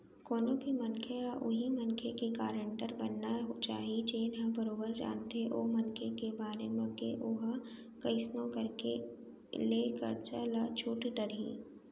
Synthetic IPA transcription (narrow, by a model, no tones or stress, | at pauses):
koːnõbʱimɐnkʰeaʔʊɦimɐnkʰekekaːɾə̃ɳʈəɾbɐnːaɦot͡ʃa̰ːɦit͡ʃeːnɦãbəɾoːbəɾd͡ʒa̰ːnt̪eʔoːmɐnkʰekebaːɾemẽkḛʔʊɦ | kɐɪsnõkɐɾke | leːkə̰ɾd͡ʒa̰ːlat͡ʃʰuːʈɖəɾɦḭ̃ː